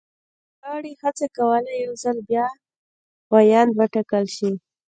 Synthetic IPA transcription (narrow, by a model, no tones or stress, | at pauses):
ɣɑɽihat͡sakawəlajawzəlbjɑ | wajɑnd̪wəʈakəlʃi